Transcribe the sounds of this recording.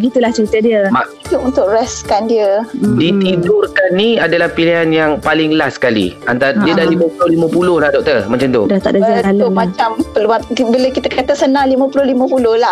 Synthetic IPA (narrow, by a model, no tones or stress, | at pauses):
bəɡit̪ulaht͡ʃəɾit̪ədiəmaituunt̪ʊkrɛskandiədit̪idʊrkanːiadalahpiliɦanjaŋpalɪŋlasːə̥kalḭant̪aɾdiədalimə̃pulʊhlimə̃pulʊhlahdɔk̚t̪ərmə̃ɲt͡ʃant̪o̰dat̪a̰ʔdazialmãt͡ʃampəlabələkit̪əkat̪asənãŋlimə̃pulʊhlimə̃pulʊhlah